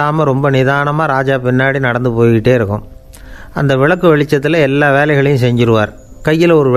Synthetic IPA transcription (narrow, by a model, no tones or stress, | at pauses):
aːmɐɾɔmbɐnɪðaːnɐmaːɾaːd͡ʒaːpɪnːaːɽinɐɽɐnd̪ɯpoːjɪʈːeːɪɾɯkːɯ̰̃m | ɐ̰nd̪ɐʋɪɭɐkːɯʋɛɭɪt͡ʃːɐt̪ːɪlɐɛlːaːʋeːlɐɪɣɐɭɐjʊ̃sɛɲd͡ʒɪɾɯʋaːɾ | kɐjːɪlɔɾɯʋ